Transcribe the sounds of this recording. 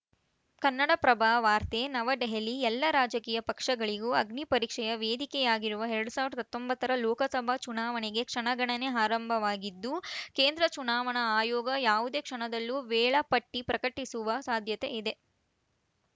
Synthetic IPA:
kɐnːɐɽɐpɾɐbʱaːʋaːɾt̪enɐʋɐɖeɦɐliɛlːɐɾaːd͡ʒɐkiːjɐpɐkʂɐɡɐɭiɡuːɐɡnipɐɾiːkʂɛjɐʋeːd̪ikɛjaːɡiɾuʋɐɦeɾɐɽusaːʋiɾɐd̪ɐɦɐt̪ːombɐt̪ːɐɾɐlɔːkɐsɐbʱɐt͡ʃunaːʋɐɳeɡe̞kʂɐɳɐɡɐɳɐneaːɾɐmbʱɐʋaːɡid̪ːukeːnd̪ɾɐt͡ʃunaːʋɐɳɐaːjɔːɡɐjaːʋud̪e̞ːkʂɐɳɐd̪ɐlːuʋɛːɭɐpɐʈːipɾɐkɐʈisuʋɐsaːd̪ʱjɐt̪eid̪e̞

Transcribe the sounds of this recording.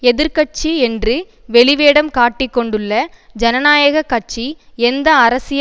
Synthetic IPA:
ɛðɪɾkɐʈ̚t͡ʃːiɛndrɯ | ʋɛɭɪʋeːɽɐmkaːʈːɪkːɔɳɖɯɭːɐd͡ʒɐnɐnaːjɐɣɐkːɐʈ̚t͡ʃiɛnd̪ɐɐɾɐsɪj

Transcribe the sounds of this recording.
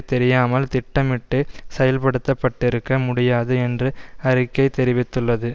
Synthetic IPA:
t̪ɛɾɪjaːmɐlt̪ɪʈːɐmɪʈːɯsɛjɐlpɐɽɯt̪ːɐpːɐʈːɪɾɯkːɐmʊɽɪjaːðɯɛndrɯɐɾɪkːɐɪt̪ɛɾɪʋɪt̪ːɯɭːɐðɯ

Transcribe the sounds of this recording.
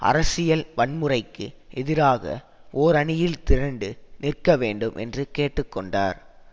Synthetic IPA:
ʔɐ̰ɾɐsɪjɐlʋɐɳmɯrɐɪkːɯʔɛðɪɾaːɣɐ̰ | oːɾɐɳɪjɪlt̪ɪɾɐɳɖɯnɪrkɐʋeːɳɖɯmʔɛ̰ndrɯkeːʈːɯkːɔɳɖa̰ːɾ

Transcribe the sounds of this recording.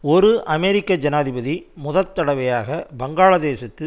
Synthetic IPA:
ɔɾɯʔɐmɛɾɪkːɐd͡ʒɐnaːðɪbɐðimʊðɐt̪ːɐɽɐʋɐjaːɣɐbɐŋɡaːɭɐd̪eːsɐkːɯ

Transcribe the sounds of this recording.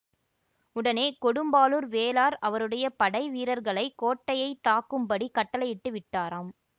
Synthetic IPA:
ʊɽɐneːkɔɽɯmbaːluːɾʋeːlaːɾɐʋɐɾɯɽɐjɐpɐɽɐɪʋiːɾɐɾɣɐɭɐɪkoːʈːɐjɐɪt̪aːkːɯmpɐɽikɐʈːɐlɐjɪʈːɯʋɪʈːaːɾaːm

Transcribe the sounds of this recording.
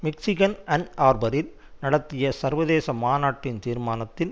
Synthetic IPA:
mɪksɪɣɐnɐnaːɾbɐɾɪl | nɐɽɐt̪ːɪjɐsɐɾʋɐðeːsɐmaːnaːʈːɪnt̪iːɾmaːnɐt̪ːɪn

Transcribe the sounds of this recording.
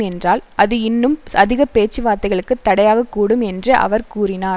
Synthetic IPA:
ɛndraːlʔɐðɯɪnːɯmɐðɪɣɐpeːt͡ʃːɯʋaːɾt̪ːɐɪɣɐɭɯkːɯt̪ːɐɽɐjaːɣɐkːuːɽɯmɛndrɯʔɐ̰ʋɐɾkuːrɪnaː

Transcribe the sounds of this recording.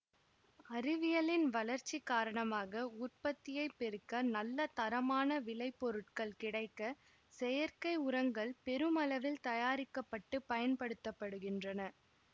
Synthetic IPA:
ɐɾɪʋɪjɐlɪnʋɐlɐɾt͡ʃːikːaːɾɐɳɐmaːɣɐʊrpɐt̪ːɪjɐɪpːɛɾɯkːɐnɐlːɐt̪ɐɾɐmaːnɐʋɪlɐɪpːɔɾɯʈ̚kɐɭkɪɽɐɪkːɐ | sɛjɐɾkɐɪʊɾɐŋɡɐɭpɛɾɯmɐlɐʋɪlt̪ɐjaːɾɪkːɐpːɐʈːɯpɐjɐnpɐɽɯt̪ːɐpːɐɽɯɣɪndrɐnɐ

